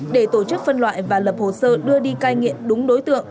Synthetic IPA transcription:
ɗe˧˩t̪o˧˩t͡ɕɨ˦˥k̚fə˧nlwa̰ː˧˨jvaː˨˩lə˨˩p̚ho˨˩səː˧ɗɨ˧əɗi˧kaː˧jŋḭ˧˨əmɗʊ˨˦ŋ͡mɗo˨˦jt̪ɨ̰˧˨əŋ

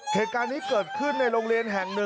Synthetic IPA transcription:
heː˨˩t̪̚kaː˧nːiː˦˥kɤː˨˩t̪̚kʰɯ˥˩nːa˧jɾoː˧ŋɾi˧ənɦɛ˨˩ŋnɯ˧

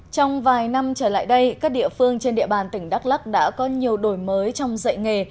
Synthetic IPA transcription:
t͡ɕɔ˧wŋ͡mvaː˨˩jna˧mt͡ɕəː˧˩la̰ː˧˨jɗə˧jkaː˦˥k̚ɗḭ˧˨əfɨ˧əŋt͡ɕe˧nɗḭ˧əɓaː˨˩nt̪ï˧˩ŋ̟ɗa˦˥k̚la˦˥k̚ɗa̰ː˧˥kɔ˨˦ɲi˨˩əwɗo˧˩jməː˨˦jt͡ɕɔ˧wŋ͡mzə̰˧˨jŋe˨˩

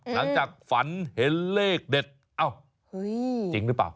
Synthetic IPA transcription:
la˨˦ŋt͡ɕaː˨˩k̚fa˨˦nhe˨˩leː˧˩k̚ɗe˨˩t̪̚ | ʔa˧˩w | t͡ɕi˨˧˦ŋɨ˦˥pːaː˨˩w

